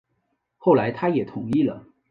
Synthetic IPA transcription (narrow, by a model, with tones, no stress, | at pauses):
xo˥˩ʊla˧˥ɪt̪ʰa˥jɛ˨˩t̪ʰʊ˨˩˦ŋi˥˩lə̰˩